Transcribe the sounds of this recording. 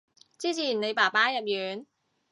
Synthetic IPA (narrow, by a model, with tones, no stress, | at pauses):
t͡siː˥t͡sʰiː˨˩nne˨˧jpaː˨˩paː˥jɐ˨p̚jyː˨˧n